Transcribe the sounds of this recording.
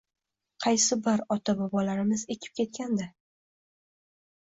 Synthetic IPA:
qʰɑjsɪbɪɾɒt̪ʰabɒbɒlaɾɪmɪze̞kʲʰɪ̥p̚kʲʰe̞t̪̚kʲand̪a

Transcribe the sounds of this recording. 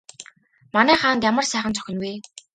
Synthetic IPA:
manæːχaːnt̪jamə̆rsæːχə̆nt͡sʰɔ̥xʲɪ̆nweː

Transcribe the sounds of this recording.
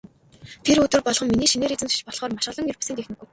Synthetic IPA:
t̪ʰerɵt̪ɵ̆rpɔɮχɞ̆mːiniːʃineːɾit͡sɘ̆nt͡st͡ɕpɔɮχɔːrmaʃ̆ə̆ɮə̆ŋjɵrpḁsĕːnt̪exnĭɡuj

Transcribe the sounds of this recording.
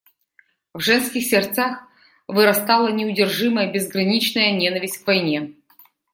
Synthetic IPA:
vʐɛnskʲɪxsʲɪrt̪sax | vɨɾɐst̪ɑlˠənʲɪʊdʲɪrʐɨməjəbʲɪzɡɾɐnʲit͡ɕnəjənʲenəvʲɪsʲtʲkvɐjnʲe

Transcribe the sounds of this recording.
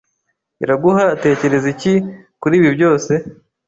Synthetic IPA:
iɾaɡuhate̞ːce̞ɾe̞zicikuɾiːβibjɟo̞ːse̞

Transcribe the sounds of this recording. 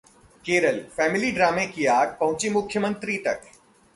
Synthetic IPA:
keːɾəlfɛːmɪliɖɾaːmẽkiaːɡ̚pɐ̃ɦʊ̃t͡ʃimʊkʰjəmə̃nt̪ɾit̪ɐk

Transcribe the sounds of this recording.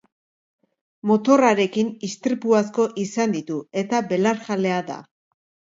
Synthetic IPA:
mo̞t̪o̞raɾe̞kinist̪ɾipuasko̞ʔisand̪it̪ue̞t̪abe̞laɾxale̞aða̰

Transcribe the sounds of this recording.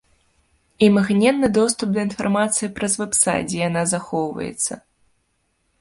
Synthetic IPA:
imɐɣnʲɛnːɨd̪ɔst̪up̚d̪ɐin̪farmat̪sɨjipɾɐzvɛpsa̰d͡zʲɛjan̪azaxɔwvɐ̰jɛ̰t̪sːɐ̰

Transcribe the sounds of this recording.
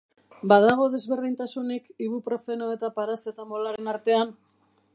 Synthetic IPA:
baðaɣ̞o̞ðe̞zβe̞ɾðint̪asunikiβupɾo̞fe̞noe̞t̪apaɾase̞t̪amo̞laɾe̞naɾt̪e̞an

